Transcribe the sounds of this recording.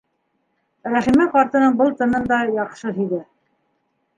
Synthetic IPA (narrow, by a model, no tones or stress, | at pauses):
ɾæχimæqɑɾt̪ɤ̆nɤɴbɤlˠt̪ɤ̆nɤnd̪ɑjɑqʃɤɦiðɘ